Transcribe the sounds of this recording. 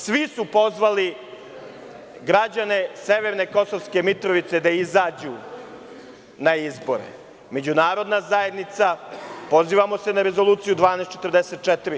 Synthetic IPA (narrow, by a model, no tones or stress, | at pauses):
sʋisupo̞zʋali | ɡɾad͡ʑane̞seʋeɾne̞ko̞soʋske̞mit̪ɾoʋit̪se̞d̪aizaːd͡ʑu | naizbo̞̰ɾḛ | me̞d͡ʑunaːɾo̞d̪nazaje̞d̪nit̪sapo̞ziːʋamo̞se̞naɾe̞zo̞lˠuːt̪sijud̪ʋaːneːst̪t͡ʃet̪ərɾd̪eset̪̚t͡ʃɛt̪iɾi